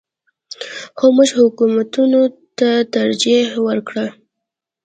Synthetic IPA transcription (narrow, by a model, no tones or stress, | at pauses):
xomuʒhʊkumat̪unot̪at̪aɾd͡ʒiwəɾkɽə